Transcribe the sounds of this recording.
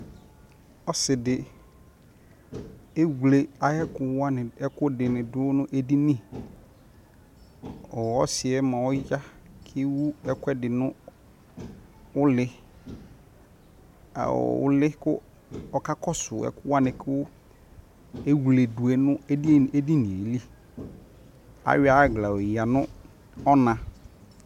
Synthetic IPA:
ɔ˦sɪ˨dɪ˨ | e˦wu˨le˨a˨jɛ˦kʊ˨wa˦nɪ̃˨ɛ˦kʊ˦dɪ˨nɪ̃˨dʊ˦nʊ̃˦ʔe˦di˦nĩ˦˨ | ɔ˨ɔ˦sɪ˨ɛ˦mã˨wʊ˦ja˦kʰɪ˦wu˦ɛ˦kʷɛ˦dɪ˨nʊ̃˦ | ʊ˦lɪ˦ | a̰˨wʊ̰˦lɪ˦kʊ˦ | ɔ˨ka˦kɔ˦sʊ˨ɛ̰˨kʊ˦wa˦nɪ̃˨kʰɪ˦wʊ˦ | e˦wle˨du˨ɛ˨nʊ̃˦e˦de˦di˦nĩ˨e˨˦li˦ | a̰˨ɥa˦˨ɡla˨o˨ja˨nʊ̃˦ | ɔ˦nã˨

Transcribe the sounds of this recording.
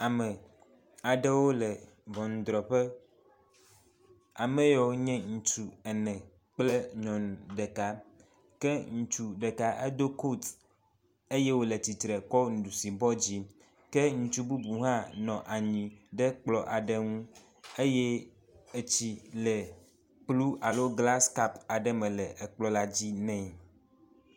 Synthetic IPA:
a˨mɛ̃˨ | a˨ɖɛ˦wo˦lɛ˨ | vɔ̃˨ŋ̩˨d̪ɾɔ˨ɸɛ˦ | a˨mɛ̃˦jɔ˨wo˦ɲɛ̃˦ŋũ˨t͡ʃu˨ɛ˨nɛ̃˨ | k͡ple˦ɲɔ̃˨nɖɛ˨ka˨ | kɛ˦ŋũ˨t͡ʃu˨ɖɛ˨ka˨ʔe˦d̪o˦ko˦t̪ | e˦jɛ˦wo˦le˨t̪i˨t̪ɾɛ˨kɔ˦ŋu˨du˨si˨bɔ˦d͡ʑi˦ | kɛ˦ŋũ˨t͡ʃu˦bu˦bu˨ɦã˦nɔ̃˨ʔa˨ɲĩ˨ɖɛ˦k͡plɔ˨ʔa˨ɖɛ˦ŋũ˦ | e˦jɛ˦ | e˨t͡ɕi˦lɛ˨ | k͡plu˦ʔa˨lo˦ɡla˦ska˦pa˨ɖɛ˦mɛ̃˨lɛ˨ʔɛ˨k͡plɔ˦la˦d͡ʑi˦nɛ̃˦˨

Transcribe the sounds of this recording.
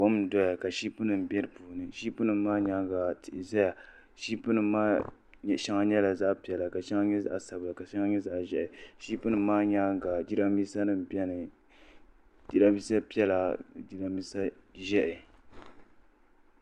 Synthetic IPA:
wo˦m˨dɔ˦ja˨ka˨ʃiː˦pɨ˦nɨ˨m˨bɛ˦ɾɨ˦˨puː˨nɨ˨ʃi˦pu˦nɨ˨m˦maː˦ɲa˦ɡa˨tɪ˨ʔɪ˨zɛ˦ja˨ | ʃi˦pɨ˦nɨ˨˦maː˦˨ | ʃa˦ŋa˦ɲɛ˦la˨za˦ʔpi˨ɛ˨la˨ka˨ʃɛ˦ŋa˦ɲɛ˦za̰˦ʔsa˨bɨ˨la˨ka˨ʃa˦ŋa˦ɲɛ˦za˨ʔʒɛ˦ʔɪ˨ʃi˦pu˦nɨ˨˦maː˦ɲa˦ɡa˨d͡ʒi˦ɾa˦mi˦sa˦nɨ˨m̩˨bɛ˦nɨ˨ | d͡ʒi˦ɾa˦bi˦sa˦pi˦ɛ˦la˨d͡ʒi˦ɾa˦mi˦sa˦ʒɛ˦ʔɪ˨

